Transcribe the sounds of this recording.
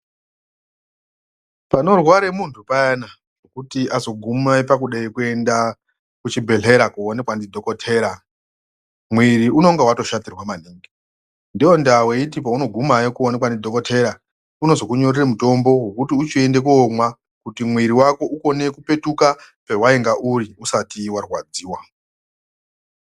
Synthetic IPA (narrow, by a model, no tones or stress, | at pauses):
pano̞rwaɾe̞muntʰupajana | ʐ̥o̞kutiʔazo̞ɡʱumaipak̬uɗaikue̞nda | kut͡ʃibʱe̞ɮe̞ɾakuone̞kwandidʱo̞ko̞tʰe̞ːɾa | mwiɾiuno̞ŋɡewato̞ʃatirwamaniːŋɡi | ndio̞ndawe̞itip̬auno̞ɡʱumajikuonekwandidʱo̞ko̞tʰe̞ɾa | uno̞zo̞kuɲo̞riremuto̞mbo̞ɦekutiut͡ʃie̞ndekuomwa | kutimwiɾiwako̞ʔuko̞ne̞kupe̞tukape̞waeŋɡaʔuriusatiwarwad͡ziːwa